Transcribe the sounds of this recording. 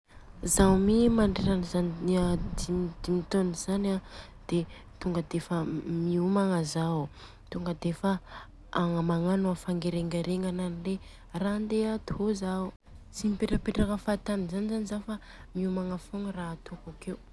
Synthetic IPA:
zawmimaɳɖ͡ʐeɾanizaniad̪id̪imit̪oniz̥ana | d̪̥e | t̪uŋɡəd̪efəmiumaŋazaw | t̪uŋɡəd̪efa | aŋəmaŋanuafaŋɡeɾeŋɡaɾeŋananile | rand̪eat̪uɦoza | t͡sinipeʈ͡ʂəpeʈ͡ʂakafat̪aminzanizanizafa | miumaŋafoŋrat̪okakew

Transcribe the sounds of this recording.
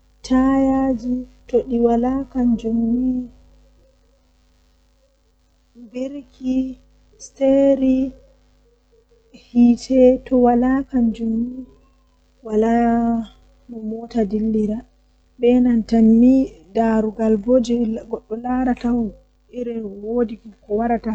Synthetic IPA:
tʰajad͡ʒitoɗiwalaːkand͡ʒomːi | beɾkʰi | steɾi | hiːtʰɛtɔwalakand͡ʒomːi | wala | mɔmɔtadilːiɾa | bɛnantanːidaɾuɡalbod͡ʒɛɡɔɗːɔlaɾataw | ʔiɾɛwoːdikkɔwaɾata

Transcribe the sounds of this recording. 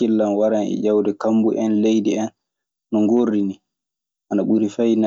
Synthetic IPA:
ilːamwaɾanɛ̰ʄawdɛkambuʔɛnlejdiɛnː | ɔŋɡorːini | ʔanaɓuɾifajna

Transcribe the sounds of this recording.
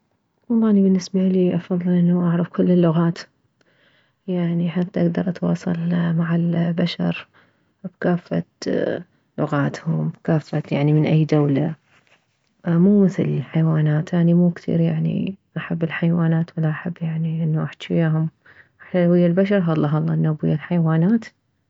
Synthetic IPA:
wɑlˤːɑːnibɪnːɪsbaliːʔɑfɑðˤːɨlʔɪnːaʔaʕɾˤɑfkʊlːɪlːʊɣaːt̪ | jaʕniħat̪ːaʔaɡd̪ɑɾˤʔɑt̪wɑ̰ːsˤɑ̰lmaʕalbaʃɑ̰ɾˤ | bkaːfːa̰t̪ | lʊɣaːt̪hʊmbkaːfːat̪jaʕnimɪnʔajːd̪awla | muːmɪθɪ̰llħajwaːnaːt̪ʔaʕnimuːkθḭːɾjaʕnḭʔaħabːɪlħajwaːnaːt̪wɪlaʔaħabːjaʕniʔɪnːuʔaħt̪wijaːɦʊm | ʔaħlalwɪjːalbaʃ̬ɑɾˤɦɑlˤːɑːɦɑlˤːɑːʔnːaːbɪjːalħajwaːnaːt̪

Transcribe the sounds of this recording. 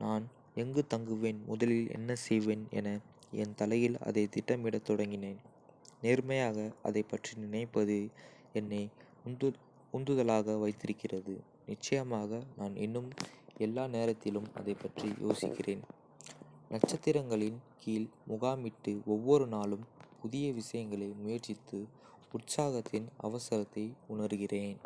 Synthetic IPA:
naːn | ɛŋɡɯt̪ɐŋɡɯʋeːnmʊðɐlɪlɛ̰nːɐsɛjʋeːnɛ̰nɐ | ɛ̰nt̪ɐlɐjɪlɐ̰ðɐɪt̪ɪʈːɐmɪɽɐt̪ːɔɽɐŋɡɪneːn | neːɾmɐjaːɣɐɐ̰ðɐɪpːɐʈrinɪnɐɪpːɐðɯ | ɛnːɐɪ | ʊnd̪ɯðɐlaːɣɐʋɐɪt̪ːɪɾɯkːɪrɐðɯ | nɪt͡ʃːɐjɐmaːɣɐnaːnɪ̰nːɯmɛlːaːneːɾɐt̪ːɪlɯmɐ̰ðɐɪpːɐʈrijʔo̰ːsɪ̰kːɪreːn | nɐʈt͡ʃːɐt̪ːɪɾɐŋɡɐɭɪnkiːlmʊɣaːmɪʈːɯɔʋːɔɾɯnaːlɯmpʊðɪjɐʋɪʂɐjɐŋɡɐɭɐɪmʊjɐɾt͡ʃɪt̪ːɯ | ʊʈsaːɣɐt̪ːɪnɐ̰ʋɐsɐɾɐt̪ːɐɪʊnɐɾɯɣɪreːn

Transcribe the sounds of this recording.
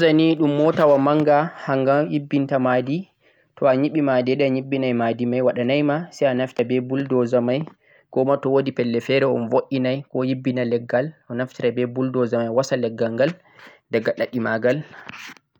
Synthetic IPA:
zaniɗumːɔtawamaŋɡahaŋɡamjibːintamadi | tʰɔaɲiɓimadɛɗɛaɲiɓːinajmadimajwaɗanajmasɛjanaftabɛbuldɔzamaj | kɔmatɔwodipɛlːɛfɛɾɛɔnvoʔinajkɔjibːinalɛɡːalɔnaftiɾabɛbuldɔzamajwasalɛɡːaŋɡal | dɛɡːaɗaɗimaɡal

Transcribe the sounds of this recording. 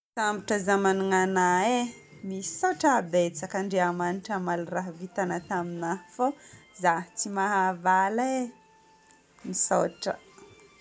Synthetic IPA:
zamiʈ͡ʂəzamaniŋanaemisoʈ͡ʂabet͡sakəɳɖ͡ʐeamaniʈ͡ʂamalraɦvit̪anət̪aminafozat͡simaɦavale | misoʈ͡ʂə̰

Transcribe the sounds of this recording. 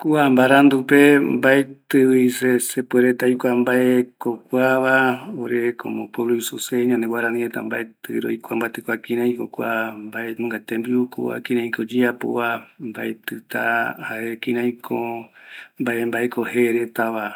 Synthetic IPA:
kuambaɾand̪upembaet̪ɨwisesepueɾet̪ajkʷambaekokʷaβaoɾeko̰mõpoβloisuseɲãnd̪ewaɾanĩet̪a̰mbaet̪ɨɾo̰jkʷambat̪ɨkʷakĩɾãj̃kokʷambaemɨ̃ŋɡat̪embiuko̰a̰kĩɾãj̃kod͡ʒiapo̰βambaet̪ɨt̪ahaʔekĩɾãj̃kʰo | mbaʔembaekoheɾet̪aβa

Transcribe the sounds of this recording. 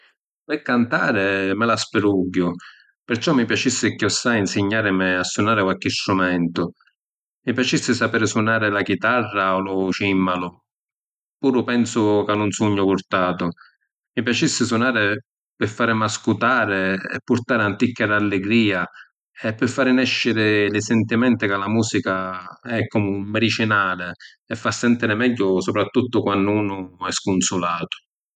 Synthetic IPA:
pɪkːant̪aːɾɪmɪlaspɪɾuɡːʊ | pɪɾt͡ʃɔmːipjat͡ʃisːɪkjɔsːainsɪɲːaːɾɪmɪasːunaːɾɪkwalkɪst̪ɾumɛnt̪ʊ | mipjat͡ʃisːɪsapɛːɾɪsunaːɾɪlak̟it̪arːalʊʃimːalʊ | puːɾʊpɛnsʊkanːʊnsuɲːʊpʊɾt̪aːt̪ʊ | mipjat͡ʃisːɪsʊnaːɾɪ | pɪfːaːɾɪmaskut̪aːɾɪɛ̰pːʊɾt̪aːɾɪant̪ikːad̪alːɪɡɾiːa | ɛpːɪfːaːɾɪnɛʃːɪɾɪlɪsɛnt̪imɛnt̪ɪkalamuːsikaɛkːɔmʊmmːɛɾit͡ʃinaːlɪ | ɛfːasːɛnt̪iɾɪmɛʎːʊsɔpɾat̪ːut̪ːʊkwanːʊuːnʊɛskʊnsʊlaːt̪ʊ̥

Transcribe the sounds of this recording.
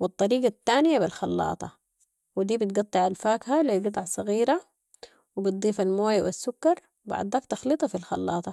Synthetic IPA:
wɑt̪ˤːɑɾiːɡat̪ːaːnɪjabilxɑlːɑ̰ːt̪ˤɑ | wɪd̪iːbɪt̪ɡɑt̪ˤːɨʕalfaːkhalilɡɨt̪ˤɑʕsˤɑɣiːɾa | wɪbɪt̪̚d̪ˤiːfalmoːjwɪ̰sːʊkːɑɾˤ | wbɑ̰ʕd̪ˤɑːkt̪ɑxlɨt̪ˤɑfilxɑ̰lːɑ̰ːt̪ˤɑ

